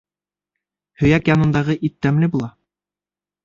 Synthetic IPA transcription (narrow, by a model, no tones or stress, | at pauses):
hɵ̆jækjɑnɤ̆nd̪ɑʁɤʔit̪ːæmlɘbulˠɑ